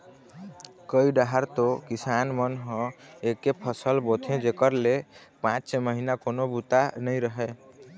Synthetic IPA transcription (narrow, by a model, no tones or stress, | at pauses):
kəiɖaɦaɾt̪okisanmənɦʌ̃ekepʰəsəlbot̪ʰẽd͡ʒekəɾlepãt͡ʃseməɦinakonobut̪anəjɾəɦɛ